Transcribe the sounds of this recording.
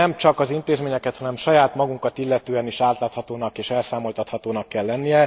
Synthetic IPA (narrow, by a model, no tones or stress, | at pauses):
ɛmt͡ʃɒkɒzint̪eːzmeːɲɛkɛt̪hɒnɛmʃɒjaːt̪mɒɡuŋkɒt̪ilːɛt̪øːɛniʃaːt̪laːt̪hɒt̪oːnɒkeːʃɛlsaːmo̞lt̪ɒt̪hɒt̪oːnɒkːɛlːɛnːijɛ